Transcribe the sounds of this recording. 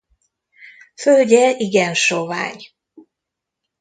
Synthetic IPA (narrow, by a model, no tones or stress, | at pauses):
følɟɛiɡɛnʃova̰ːɲ